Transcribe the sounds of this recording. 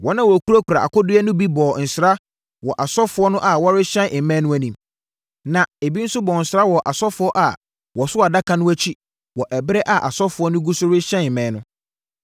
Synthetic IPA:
wɔ˦nã˨wɔ˨kʰu˦ɾa˦kʰu˨ɾa˨a̰˨kʊ˦dʊ˦ɛ˦nʊ̃˦bi˦bɔː˨n̩˨sɾa˦ | wɔ˨ʔa˨sɔ˦fʊ˨˦ɔ˦nʊ̃˦ʔa˨wɔ˦ɾɪ˦ɕɛ̃˦ʔɪ˨mɛ̃˦nʊ̃˦æ˨nĩ˨m | nã˨e˨bi˦n̩˦sʊ˦bɔ˨n̩˨sɪ˨ɾa˦wɔ˨ʔa˨sɔ˦fʊ˦ɔ˦ʔa˨ | wɔ˨sʊ˦a˨da˦kʰã˨nʊ̃˦æ˦t͡ɕʰi˦ | wɔ˨ʔɛ˨bɪ˦ɾɛ˦ʔa˨ʔa̰˨sɔ˦fʊ˨ɔ˦nʊ̃˦ɡu˦sʊ˦ɾɪ˦ɕɛ̃˦˨mɛ̃˨˦nʊ̃˦

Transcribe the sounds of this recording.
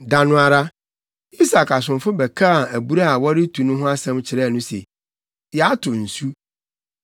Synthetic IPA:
dã˨nʊ̃˨a˨ɾa˦ | i˦sa˨kʰa˨s̬ʊ̃˨nfʊ˦bɛ˨kʰa˦a˨æ˨bu˦ɾa˦a˨wɔ˦ɾɪ˦tʰũ˨nʊ̃˦ɦʊ̃˦a˦sɛ̃˦mt͡ɕʰɪ˨ɾɛ˦˨nʊ̃˦sḛ˨ | jɛ˨a˦tʰʊ˨n̩˨su˦

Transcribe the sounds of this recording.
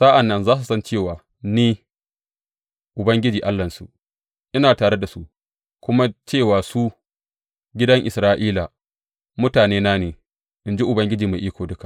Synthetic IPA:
sa˦ʔa˨nːɐ˦nzaː˦s̬u˨sɐ˦nt͡ʃeː˦˨waː˨ | niː˦ | ʔʊ˨bɐ˦ŋɡʲɪ˦d͡ʒiː˨ʔa˦lːɐ˨nsṵ˨ʔ | ʔɪ˦naː˨taː˨ɽe˦da˨sṵ˦ʔ | kʷʊ˦ma˦t͡ʃeː˦˨waː˨su˦ | ɡʲɪ˦dɐ˦ŋʔɪ˨sɾaː˦ʔiː˦la˨ | mʊ˦taː˨neː˦naː˦neː˨ | ʔɪ˨nd͡ʒi˦ʔʊ˨bɐ˦ŋɡʲɪ˦d͡ʒiː˨ma˨ʔiː˦kʷoː˨dʊ˦ka˨ʔ

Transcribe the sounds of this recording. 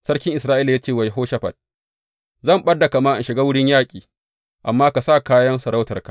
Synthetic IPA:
sɐ˦ɽkʲɪ˦ŋʔɪ˨sɾaː˦ʔiː˦la˨jaː˦t͡ʃeː˦˨wa˨jɦoː˦ʃa˦ɸa̰˨d̚ | zɐ˦˨mɓɐ˦dːa˨ka˨maː˦ʔa˨ʃɪ˨ɡaː˦wʊ˦ɽɪ˦ɲjaː˦kʲʼiː˨ | ʔa˨mːaː˦ka˨sa˦˨kaː˦jɐ˦nsɐ˨ɾa˦wtɐ˨rka˨

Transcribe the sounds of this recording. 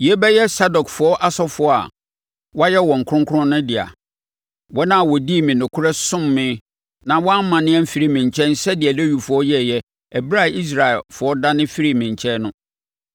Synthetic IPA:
ji˨e˦bɛ˦jɛ˦sa˦dɔ˨kfʊ˨ɔ˦ʔa˦sɔ˦fʊ˦˨a̰˨ | wɔ˦jɛ˦wɔ̃˨ŋ̩˨kʰʊ˦ʊ̃˦ŋkʰʊ˦ʊ̃˦nʊ̃˦dɪ˨a̰˨ | wɔ˦nã˦˨wɔ˨diː˦˨mɪ̃˨nʊ̃˨kʰʊ˦ɾɛ˦sʊ̃˦mːɪ̃˦ | nã˨wɔ̃˦m˦mã˨nɪ̃˦ɛ̃˦fi˨˦ɾi˦mɪ̃˨ɲ˨t͡ɕʰɛ̃˦n̩˦sɛ˦dɪ˨ɛ˨le˦ju˨fʊ˨ɔ˦jɛ˦˨jɛ˦ | ɛ˨bɾa˦˨i˦s̬ɾa˨ɛ˨lfʊ˨ɔ˦da˦nɪ̃˦fi˦ɾi˦˨mɪ̃˨ɲ˨t͡ɕʰɛ˦nʊ̃˦

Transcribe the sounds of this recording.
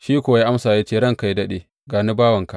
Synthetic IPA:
ʃiː˦kʷʊ˨wa˦jaː˦ʔa˦msaː˨jaː˦t͡ʃeː˦˨ɽɐ˦˨ŋka˨ji˦dɐ˦ɗeː˨ | ɡaː˨ni˦baː˦wɐ˨ŋka˨

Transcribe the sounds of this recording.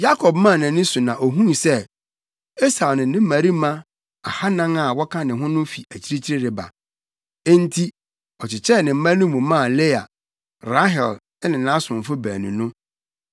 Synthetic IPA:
ja˦kʰɔ˨b̚mã˦˨nã˨nɪ̃˦sʊ˨nã˨ʔo˨ɦũ˦˨sɛ˦ | e˦sa˨nɪ̃˨˦nɪ̃˦mæ̃˨ɾi˦mã˦ | a˨ha˦nã˦ŋa˨wɔ˦kʰã˦nɪ̃˨ɦʊ̃˦nʊ̃˦fi˨æ˨t͡ɕʰi˦ɾi˦t͡ɕʰi˦ɾɪ˦ɾɪ˨ba̰˨ | e˦n˦tʰi˦ | ɔ˨t͡ɕɪ˨t͡ɕʰɛ˦˨nɪ̃˨m̩˦mã˦nʊ̃˦mũ˨mã˦˨le˦a̰˨ | ɾa˦ɦɛ˨l | ɛ˦nɪ̃˨nã˦sʊ̃˨ɱ˨fʊ˦bæ̰ː˨nṵ̃˨nʊ̃˦

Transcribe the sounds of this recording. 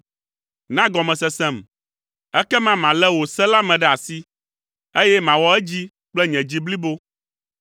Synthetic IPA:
nã˦ɡɔ˨mɛ̃˨sɛ˨sɛ̃˦m | ɛ˦kɛ˦mã˦mã˨lɛ˦wo˨sɛ˦la˦mɛ̃˨ɖɛ˦a˨si˦ | e˦jɛ˦mã˨wɔ˦ɛ˦d͡ʑi˦ | k͡plɛ˦ɲɛ̃˨d͡ʑi˦bli˦bo˦

